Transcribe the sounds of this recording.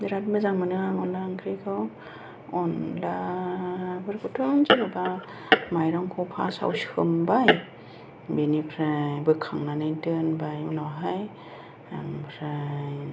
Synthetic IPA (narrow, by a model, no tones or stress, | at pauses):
diɾat̚mɯzaŋmanɯŋaŋɔnlaŋkʰɾikʰɯw | ɔnla | bɯɾkʰutʰɯŋnzɯnaba | majɾɔŋkʰɔwpʰa̰sa̰wshɯmbaj | benipʰɾajbɯkʰaŋnanajdɯnbajunawɦaj | aŋpʰɾaj